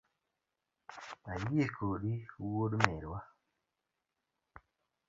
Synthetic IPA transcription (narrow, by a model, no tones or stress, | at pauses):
ajiekʰoɗiwodmeɾwa